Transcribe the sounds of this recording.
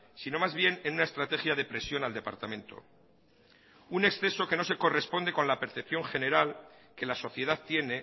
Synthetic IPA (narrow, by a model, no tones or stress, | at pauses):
sino̞mazβje̞ne̞nunae̞st̪ɾat̪e̞xjaðe̞pɾe̞sjo̞nald̪e̞pa̰ɾt̪amẽ̞nt̪o̞̰ | une̞ksθe̞so̞ke̞no̞se̞ko̞re̞spo̞nd̪e̞ko̞nlape̞ɾθep̚θjo̞ŋxe̞ne̞ɾalke̞laso̞θje̞ð̞aðt̪je̞ne̞